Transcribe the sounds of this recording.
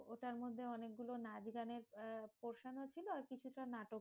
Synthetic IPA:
oʈaɾmod̪ʱːeɔnek̚ɡulonad͡ʑɡaneɾpoɾʃanot͡ɕʰiloaɾkit͡ɕʰut̪ɾanaʈo

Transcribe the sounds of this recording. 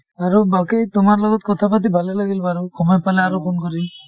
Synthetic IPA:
aɹubakejt̪ʊmaɹlɔɡɔt̪̚kɔt̪ʰapat̪̬ibʱalɛlaɡilbaɾukʰɔmɔjpalɛaɾopʰonkɔɾi

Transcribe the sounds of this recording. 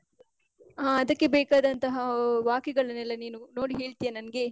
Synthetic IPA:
aːɐd̪ɐkːe̞bɛːkaːd̪ɐnt̪ɐɦɐʋaːkɛɡɐɭɐnɛlːɐniːnuno̞ːɽiɦe̞ːɭt̪ijanɐnɐɡe̞

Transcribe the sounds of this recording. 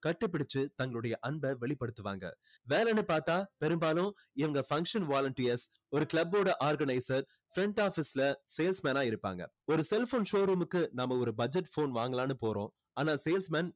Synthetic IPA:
kɐʈːɯp̬ːɪɽɪt͡ʃːɯt̪ɐŋɡɐɭɯɽɐjɐʔɐnbɐʋɛɭɪpːɐɽɯt̪ːɯʋa̰ːŋɡɐ̰ | ʋeːlɛnɯpaːɾt̪aːpɛɾɯmbaːlʊ̃ | ɪʋɐŋɡɐfɐŋkʂɐnʋaːlɐɳʈiɐs | ɔɾɯkɪɭɐbːoːɽɐʔaːɾɡɐnɐɪsɐɾ | fɾɛɳʈaːfislɐseːlsmɛːnaːɪɾɯpːa̰ːŋɡɐ̰ | ɔɾɯsɛlfoːnʃoːɾuːmɯkːɯnɐmːɐɔɾɯbɐd͡ʒɛʈfoːnʋaːŋɡɐlaːnɯpoːɾõ̰ː | aːnaːseːlsmɛːn

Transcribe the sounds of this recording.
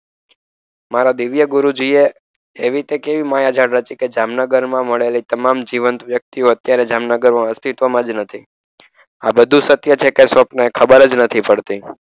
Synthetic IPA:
maɾad̪iʋjəɡuɾud͡ʒie | eʋit̪ekeʋimajad͡ʒʱaɽɾət͡ʃiked͡ʒamnəɡəɾmãməɭelit̪əmamd͡ʒiʋənt̪ʋjək̚t̪ioət̪jaɾed͡ʒamnəɡəɾmãəst̪ʰit̪ʋəmãd͡ʒnət̪ʰi | a̰bəd̪ʱũsət̪jət͡ʃʰekesʋəpnaekʰəbəɾəd͡ʒnət̪ʰipəɽt̪i

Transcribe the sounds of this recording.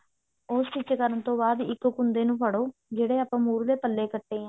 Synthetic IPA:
ʊst͡ʃɪt͡ʃkəɾənt̪õːbaːd̪ɪkːkɦʊnd̪eːnũːpəɽoːd͡ʒeːɽeːəpãːmuːɾleːpəlːeːkəʈːeːãː

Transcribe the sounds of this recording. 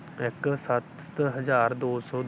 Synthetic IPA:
ɪksat̪ | ɦəd͡ʒaːɾd̪oːsɔː

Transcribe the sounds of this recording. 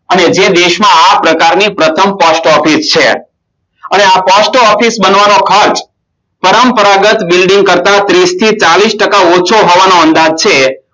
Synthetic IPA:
əned͡ʒed̪eʃmãapɾəkaɾnipɾət̪ʰəmpɔsʈɔfist͡ʃʰe | əneapɔsʈɔfisbənʋanokʰəɾt͡ʃ | pəɾəmpəɾaɡət̪bilɖiŋɡ̚kəɾt̪at̪ɾist̪ʰit͡ʃalisʈəkaot͡ʃʰoɦoʋanoənd̪ad͡ʒt͡ʃʰe

